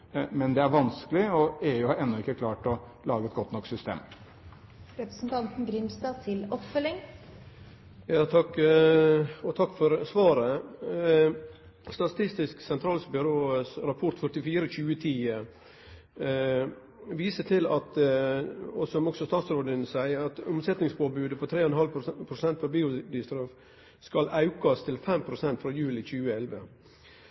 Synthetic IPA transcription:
mɛnd̪ɛæɾʋɑnskəlɪɔæʊɛnːɔɪkːəkʰlɑːʈɔ | lɑːɡəɛt̪ɡɔt̪ːnɔkːsʏst̪ḛːm | ɾɛpɾə̥sn̩t̪ʰɑnt̪n̩ɡɾɪmst̪ɑːt̪ʰɪlɔpfœlɪŋ | jɑːt̪ʰɑkː | ɔt̪ʰɑkːfɔɾsʋɑːɾə | st̪ɑt̪ʰɪst̪ɪsksɛnt̪ʰɾɑːlsbʏɾoːsɾɑpʰɔʈ̪fœʈɪfiːɾəçʉːət̪ʰiːə | ʋiːsəʈʰɪlɑt̪ | ɔsɔmɔksɔst̪ɑːt̪sɾoːd̪ənsæɪəɾɑt̪ʊmsɛt̪nɪŋspʰoːbʉːd̪əpʰɔt̪ʰɾeːɔɛnhɑlpʰɾʊsɛnt̪fɑbiːʊd̪ɪst̪ɾoːf | skɑlɑʉkɑst̪ʰɪlfɛmpʰɾʊsɛnt̪fɾɑːjʉːlɪçʉːəɛlʋə̰

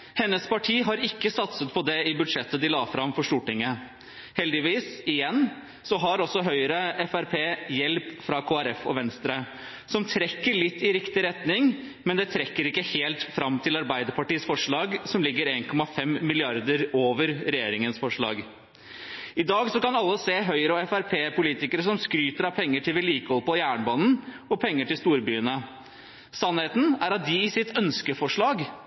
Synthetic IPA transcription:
hɛnːəspɑʈʰiːɦɑɾɪkːəsɑt̪sət̪pʰɔd̪ɛɪbʉd̪ʂɛt̪ːəd̪ɪlɑːfɾɑmfɔʂt̪uːʈɪŋːə | hɛld̪ɪʋiːsɪjɛnː | sɔɦɑɾɔsɔɦœʏəɾəɛfæɾpʰeːjɛlpfɾɑkʰoːæɾɛfɔ̰ʋɛnst̪ɾə | sɔmt̪ʰɾɛkːəɭɪt̪ːɪɾɪkt̪ɪɾɛt̪nɪŋ | mɛnd̪ɛt̪ʰɾɛkːəɾɪkːəheːlt̪fɾɑmt̪ʰɪlɑɾbæɪd̪əɾpɑʈiːsfɔʂɭɑːɡsɔmlɪɡːəɾeːnkʰɔmɑfɛmːɪlɪɑɾd̪əɾoːʋəɾɾɛjeːɾɪŋənsfɔʂɭɑ̰ːɡ | ɪd̪ɑːɡsɔkɑnɑlːəseːɦœʏəɾəɔɛfæɾpʰeːpʰʊliːt̪ɪkəɾəsɔmskɾyːt̪əɾɑʋpʰɛŋːəʈʰɪlʋɪliːkəhɔlpɔjæːɳbɑːnn̩ɔpʰɛŋːəʈɪlst̪uːɾbyːənə | sɑnheːt̪n̩æɾɑt̪̚d̪ɪɪsɪt̪ʰœnskəfɔʂɭɑːɡ

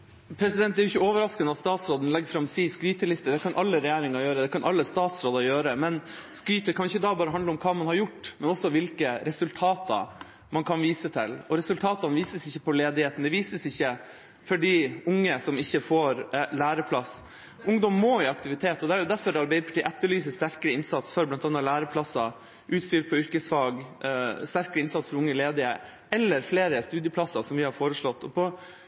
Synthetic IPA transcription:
pʰɾɛsɪd̪ɛnt̪d̪ɛæɾjʊɪçːəoːʋəɾɑskənəɑt̪st̪ɑːt̪sɾoːd̪ənlɛɡːfɾɑmsiːskɾyːt̪əlɪst̪əd̪ɛkʰɑnʔɑlːəɾɛjeːɾɪŋɑɾjøːɾəd̪ɛkʰɑnʔɑlːəst̪ɑːt̪sɾoːd̪ɑjøːɾəmɛnskɾyːt̪əkʰɑnjʊɪçːəd̪ɑːbɑːɾəɦɑnd̪əɔmkʰɑːmɑnhɑɾjʊʈːmɛnɔsːɔʋɪlkəɾɛsʉlt̪ʰɑːt̪ɑ̰ | mɑnkʰɑnʋiːsət̪ʰɪ̰lɔɾɛsʉlt̪ʰɑːt̪ɑnʋiːsəsɪçːəpʰɔleːd̪ɪheːt̪n̩d̪ɛʋiːsəsɪçːə | fɔɖiːʊŋːəsɔmɪçːəfoːɾlæːɾəpʰlɑs | ʔʊŋd̪ɔmːoːɪɑkt̪ɪʋɪt̪ʰeːt̪ːɔd̪ɛæɾjʊd̪æɾfɔɾɑɾbæɪd̪əpʰɑʈʰiːʔæt̪ːəɭyːs̬əst̪æɾkəɾəɪnsɑt̪sfɔɾblɑnt̪ɑnːɑlæːɾəpʰlɑsɑ | ʔʉːt̪st̪yːɾpʰɔʏɾkəsfɑːɡst̪æɾkəɾəɪnsɑt̪sfɔɾʊŋːəleːd̪ɪə | ɛlːəɾfleːɾəst̪ʉːd̪jəpʰlɑsɑsɔmʋɪhɑɾfoːɾəʂɭɔt̪ːɔpʰɔ

